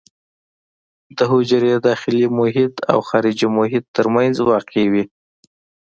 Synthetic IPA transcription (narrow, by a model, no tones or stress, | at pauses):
d̪əɦʊd͡ʒaɾed̪ɑxɪlimʊɦɪt̪a̰wxɑɾɪd͡ʒimʊɦɪt̪ːəɾmanzwɑqewi